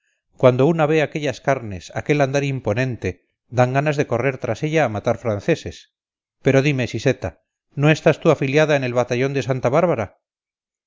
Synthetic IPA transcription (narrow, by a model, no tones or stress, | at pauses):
kwand̪ounaβe̞ake̞ʎaskaɾne̞sa̰ke̞land̪aɾimpo̞nẽnt̪e̞ | d̪aŋɡanazðe̞ko̞re̞ɾt̪ɾase̞ʎaːmat̪aɾfɾanθe̞se̞s | pe̞ɾo̞ðime̞sise̞t̪a | no̞e̞st̪ast̪uafiljaðaene̞lβat̪aʎo̞nd̪e̞sant̪aβaɾβaɾa